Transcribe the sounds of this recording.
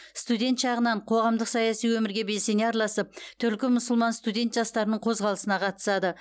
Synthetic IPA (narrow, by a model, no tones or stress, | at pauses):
st̪ud̪ʲe̞nt̪ʃɑʁənɑɴqʰo̞ʁɑmd̪əqsɑjɑsijwɵmɪɾɡʲe̞be̞lse̞neɑɾɑlˠɑsəp̚t̪ʰʏlkʲɪmʊsʊlˠmɑnst̪ud̪ʲe̞nt̪ʒɑst̪ɑɾənəɴqʰo̞zʁɑlˠəsənɑqʰɑt̪ə̥sɑd̪ə